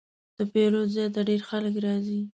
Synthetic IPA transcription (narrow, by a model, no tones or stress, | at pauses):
d̪̥əpeɾozjɑt̪̬aɖeɾxaləkɾɑzi